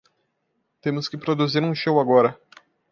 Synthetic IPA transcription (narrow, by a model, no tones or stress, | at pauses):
t̪ẽmʊskɪpɾod̪uziɾũʃowaɡɔɾɐ